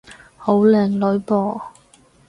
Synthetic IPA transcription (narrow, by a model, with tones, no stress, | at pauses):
ho˨˥wlɛː˨˩ŋlɵ˨˧˥ɥpɔː˧˩